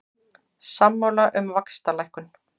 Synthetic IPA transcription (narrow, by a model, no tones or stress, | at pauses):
samːawlaʔʏmvakst̪alajhkʏn